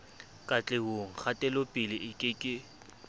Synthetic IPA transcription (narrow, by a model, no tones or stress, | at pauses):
kʼat͡ɬʼeɦoŋ̩χatʼɛlopʼɪlɪɪkʼɪkʼɪ